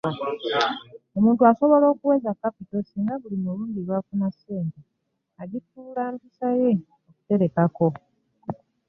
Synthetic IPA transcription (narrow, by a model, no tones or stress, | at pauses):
o̞muːntuaso̞βo̞lo̞ːkuwe̞ːzakːapito̞siːŋɡaβulimuluːndiβwakunaseːnte | aɟikulaːmbisaje̞ | okute̞ɾe̞kako̞